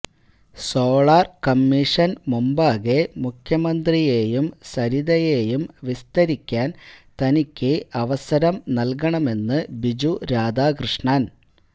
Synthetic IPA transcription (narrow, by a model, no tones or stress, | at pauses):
soːɭaːrkɐmːiʂɐnmumbaːɣe̞mukʰjɐmɐnd̪rije̞ːjumsɐɾiðɐje̞ːjumʋist̪ɐɾikʲːaːnt̪ɐnikʲːɨɐʋɐsɐɾɐmnɐlkɐɳɐme̞nːɨbid͡ʑuɾaːd̪aːkrɨʂɳaːn